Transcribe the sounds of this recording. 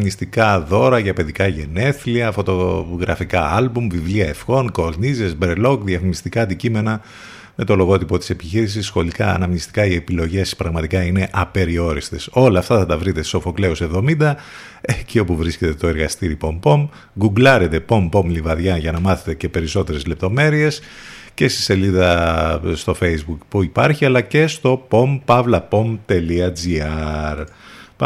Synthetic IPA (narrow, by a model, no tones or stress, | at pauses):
mnist̪ikɐðo̞ɾɐʝɐpe̞ðikɐʝe̞ne̞θliɐfo̞t̪o̞ɣɾɐfikɐɐlbumvivliɐe̞fɣo̞nko̞ɾnizezbɾelo̞kðiɐfmist̪ikɐɐnd̪icime̞nɐ | me̞t̪o̞lo̞ɣo̞t̪ipo̞t̪i̥se̞pi̥çiɾis̬isːxo̞likɐ̰ɐ̰nɐmnist̪i̥kɐie̞pilo̞ʝe̞spɾɐɣmɐt̪ikɐine̞ʔɐpe̞ɾio̞ɾist̪e̞so̞lɐːft̪ɐθɐt̪ɐvɾit̪esiso̞fo̞kle̞ose̞vðo̞mind̪ɐ | ecio̞puvɾisce̞t̪e̞t̪o̞e̞ɾɣɐst̪iɾipo̞mpo̞m | ɡuɡlɐɾe̞t̪e̞po̞mpo̞mlivɐðʝɐʝɐnɐmɐθe̞̥t̪e̞ce̞pe̞ɾiso̞t̪e̞ɾe̞zle̞p̚t̪o̞me̞ɾie̞sce̞st̪i̥se̞liðɐst̪o̞fe̞jzbukpuipɐɾçiɐlɐce̞st̪o̞po̞mpɐvlɐpo̞mt̪e̞liɐd͡ziɐɾ